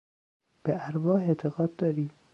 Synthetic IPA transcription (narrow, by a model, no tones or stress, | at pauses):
b̥eʔæɾvɒːhet̪ʰeɣɒːd̪̚d̪ɒːɾiː